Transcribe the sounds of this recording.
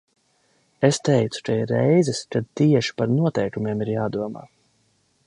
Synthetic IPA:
est̪ɛjt̪su̥kɛjɾɛjzɛskad̪̚t̪iɛʃi̥paɾnuɔt̪ɛjkumʲeɛmiɾjaːd̪uɔma̰ː

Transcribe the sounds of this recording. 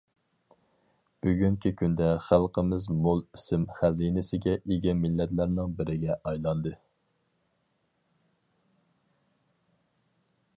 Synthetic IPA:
b̥yɡʲyŋkʲʰikʲʰynd̪ɛχælˠqʰəmɪzmolˠisɪmχæzinɪsɪɡʲɛʔiɡʲɛmɪlːɛt̪læɾnɪŋbɪɾɪɡʲɛʔɑjlˠɑnd̪ɨ

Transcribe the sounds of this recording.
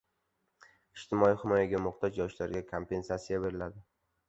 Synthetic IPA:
ɪʃt̪ɪmɒihɪmɒjaɡʲamʊqt̪ɒzjɒʃlaɾɡʲakʰompʰe̞nsat̪sijabe̞ɾɪlad̪ɪ

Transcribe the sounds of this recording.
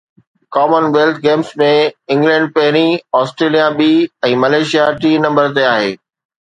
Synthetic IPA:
kɔːmənʋeːlt̪̚ʰɡeːmsmẽɪ̃ŋɡlɛ̃ːɳɖ̚pɐɦɪɾ̃iɔːsʈɾeːlijaɓiːɛ̃ːmɐleːʃijaʈiːnɐ̃mbəɾt̪eaːɦeː

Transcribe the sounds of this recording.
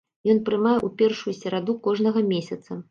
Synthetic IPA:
jɔnpɾɨmajɛʔupʲɛrʂujusʲɛɾad̪ukɔʐnɐɣɐmʲesʲɐt̪sɐ

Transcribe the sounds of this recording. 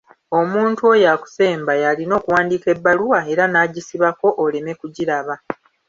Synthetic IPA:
o̞muːntuojaku̥se̞ːmbajalino̞ːkuwaːndiːke̞bːaluwae̞ɾanaːɟisiβako̞ʔːle̞me̞kuɟiɾaβa

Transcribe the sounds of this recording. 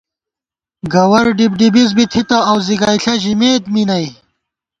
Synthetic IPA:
ɡɐwɐɾɖibɖibizbit̪ʰit̪ɐɐwziɡaːjɬɐʑimeːt̪minɐj

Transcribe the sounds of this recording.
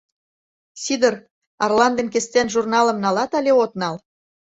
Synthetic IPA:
sʲid̪ər | ɑrlɑnd̪ənkest̪enʒurnɑlə̆mnɑlɑt̪ɑlʲeot̪nɑl

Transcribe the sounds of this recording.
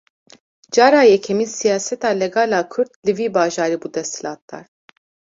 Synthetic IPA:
d͡ʒɑːɾaːjɛkʰɛmiːsijaːsɛt̪aːlɛɡaːlaːkʰʊɾd̪lɨviːbaːʒaːɾiːbuːd̪ɛst̪hilaːt̪̚d̪ɑ̰ːɾ

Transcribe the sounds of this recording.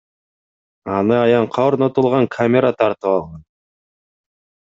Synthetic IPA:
ɑnɯɑjɑɴqʰɑoɾnot̪ulˠʁɑŋkʰamʲeɾat̪ʰɑɾt̪ɯpɑlˠʁɑn

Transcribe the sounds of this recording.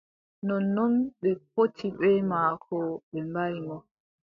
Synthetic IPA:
nɔnɔnɓɛp̚otʰiɓɛmaːkʰɔɓɛmbajimɔ

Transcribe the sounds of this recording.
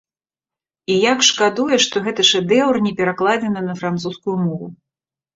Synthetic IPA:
ijakʂkad̪ujɛʂt̪ɔɣɛt̪ɨʂɛd̪ɛwrnʲɛpʲɛɾaklˠad͡zʲɛnɨnɐfɾant̪suskujumɔvṵ

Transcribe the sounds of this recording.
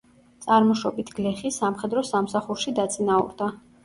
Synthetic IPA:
t̪sʼaɾmɔʃɔbit̪ʰɡ̥lɛχisamχɛd̪ɾɔsamsaχuɾʃid̪at̪sʼinaṵɾd̪a

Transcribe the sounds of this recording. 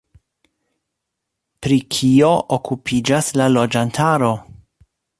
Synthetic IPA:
pɾikʰio̞ʔokʰupʰid͡ʒaslalo̞d͡ʒantʰaɾo̞

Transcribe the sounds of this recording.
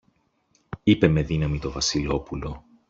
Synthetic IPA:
ipe̞me̞ðinɐmit̪o̞vɐsilo̞pulo̞

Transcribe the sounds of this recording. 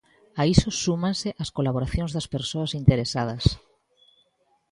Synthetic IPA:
aisosumãnsɪʔaskolaβoɾaθjõŋzðɐspeɾsoasint̪eɾesað̞ɐs

